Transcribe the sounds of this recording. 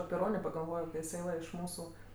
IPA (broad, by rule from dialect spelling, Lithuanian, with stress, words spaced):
ɐpʲɪ ˈroːnʲeː pɐɡɐlˠˈʋoːjoː kɐɪ ɪˈsɐɪ ʋɐ ɪʃ ˈmuːsʊ